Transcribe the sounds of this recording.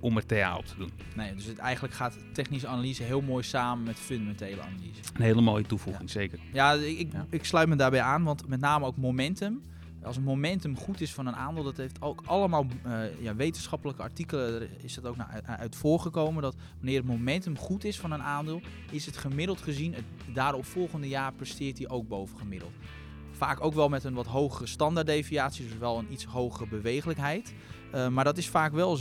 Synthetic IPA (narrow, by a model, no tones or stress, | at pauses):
ʔɔmərtea̰ːɔ̰p̚tʰədun | nejdøsətɛ̰jɣəndləkχaːt | tɛχnisəanalizəɦɪəlˠmoːjsaːmənmɛtføndamɛntejlə̰a̰nalizəənɦeːləmoːjətufṵɪŋseːkərjaɪkɪkslœɥtmədaːrbɛjaːnʋɑntmɛt̬naːməowkmomɛntəm | ɑlˠs̬ənmomɛntəmχutɪsfɔnənʔaːndɪːlˠdɔtɦeftowkʔɑlˠəmaːlˠjaʋejtənsxɑpələkəa̰ɹtikələ | ɪsdɔtowknaœ̰ɥtfʊːɹχəkowməndɔt | ʋanɪːɾətmomɛntəmχutɪsfɔnənaːndɪːlˠ | ɪsətχəmɪdəlˠtχəzinə | daːɾɔpfɔlˠχəndəjaːrprəstɪːtdiʔowk̚bowvənχəmɪdəlˠt | faːkowkʋɛlˠmɛtənʋɔtɦowχərəstɑndaɹdejviaːtsjiədsʋɛlˠənitsɦowχərəbəʋejχələkɦɛjt | maːɹdɔtɪsfaːkʋɛlˠ